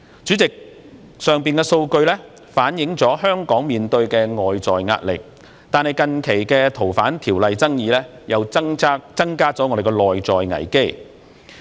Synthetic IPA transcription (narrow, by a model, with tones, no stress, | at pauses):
t͡syː˨˥t͡sɪ˨k̚ | sœː˨˩ŋpiː˨nkɛː˧so˧wkɵ˧ɥlɛ˥ | faː˨˥njɪ˨˥ŋt͡sɔː˨˥ɦœː˥ŋkɔː˨˥ŋmiː˨nt̪ɵ˧ɥkɛː˧ŋɔː˨jt͡sɔː˨jŋa̰ː˧t̚lɪ̰˨k̚ | t̪aː˨nhɐ˨jkɐ˨nkʰe˨˩jkɛ˧t̪ʰo˨˩wfaː˨˥nt̪ʰiː˨˩wlɐ˨jt͡sɐ˥ŋjiː˨˧lɛː˥ | jɐ˨˧waː˥t͡sɐ˥ŋkaː˥t͡sɔː˨˥ŋɔː˨˧de˨jk̬ɛː˧lɔː˨jt͡sɔː˨jŋɐ̰˨˩jke˥j